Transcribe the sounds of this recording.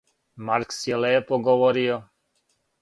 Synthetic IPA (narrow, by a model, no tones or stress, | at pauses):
maɾksɛlɛɛpɔɡɔʋɔɾijɔ